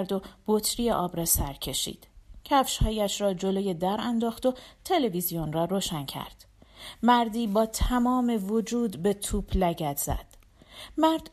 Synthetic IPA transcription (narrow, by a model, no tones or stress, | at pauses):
ɾd̪o̞b̥ot̪ʰɾijeʔɒːbɾɒːsæɾcʰe̞ʃḭːd̪̥cʰæfʃhɒːjæʃɾɒːd͡ʒo̞loje̞d̪æɾænd̪ɒːxt̪o̞t̪ʰe̞le̞vizijonrɒːɾoʃæncʰæ̰ɾd̪̥ | mæɾd̪iːbɒːt̪ʰæmɒːme̞vod͡ʒuːd̪be̞t̪ʰuːbʰlæɟæd̪z̥æ̰d̪̥ | mæɾd̪̥